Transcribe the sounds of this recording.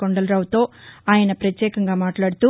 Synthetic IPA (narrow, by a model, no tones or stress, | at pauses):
ɔɳɖɐlɾaːʋt̪oːaːjɐnɐpɾɐt̪jeːkɐŋɡaːmaːʈlaːɽɯt̪u